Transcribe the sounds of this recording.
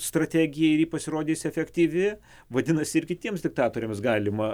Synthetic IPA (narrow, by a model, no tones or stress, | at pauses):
st̪ɾɐt̪ʲæːɡʲɪjɛɪɾjiːpɐsʲɪɾoːd̪ʲeːsʲɛfʲɛkt̪ʲiːʋʲɪ | ʋɐd̪ʲɪnɐsʲɪɪrkʲɪt̪ʲiɛmsd̪ʲɪk̚t̪ɑːt̪oːɾʲeːmsɡɑːlʲɪmɐ